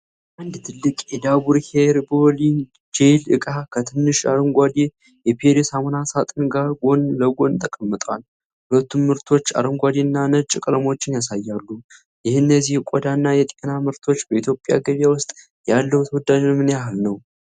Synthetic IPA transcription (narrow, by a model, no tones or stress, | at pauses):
ʔand̪t̪ʰɨlːɨkʼjɛd̪abuɾheɾbolin | d͡ʒelɨ̰kʼakʰət̪ʰɨnːɨʃa̰ɾəŋɡʷad̪i | jɛpʰeɾesamənasat̪ʼɨnɡaɾɡo̞nləɡo̞nt̪ʰəkʼəmːɨt̪ʼwal | hulət̪ːummɨɾt̪ʰo̞t͡ʃːa̰ɾɨŋɡʷad̪inːanət͡ʃʼɪkʼələmo̞t͡ʃːɪnjasajːalːu | jɪhɨnːəzːihkʷʼɔd̪anːajɛt̪ʼenamɨɾt̪ʰo̞t͡ʃːbəit̪jo̞pʼja̰ɡəβjawʊst̪ʼ | jalːəwut̪ʰəwɔd̪ad͡ʒɨnmɨnjaɦɨlnəw